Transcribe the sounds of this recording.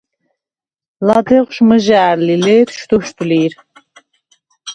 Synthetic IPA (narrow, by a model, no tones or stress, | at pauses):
lad̪ɛʁʷʃməʒaːɾlilɛːt̪ʰʃt̪uʃt̪ʰʼliːɾ